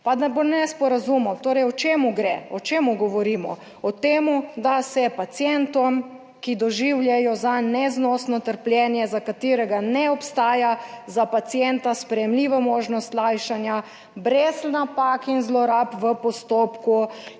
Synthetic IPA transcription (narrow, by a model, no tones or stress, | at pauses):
pad̪abonɛspɔɾazumɔwt̪oːɾɛjɔt͡ʃeːmuɡɾɛɔt͡ʃeːmuɡɔʋɔɾiːmɔ̰ | ɔt̪eːmud̪asɛpat̪sjɛnt̪ɔm | kid̪ɔʒiwljɛjɔzanɛznɔsnɔt̪əɾpljɛnjɛzakat̪eːɾɛɡanɛɔpst̪aːjazapat̪sjɛnt̪aspɾɛjɛmliʋamoːʒnɔst̪lajʃanja | bɾezlnapakinzlɔɾapʋəpɔst̪oːpku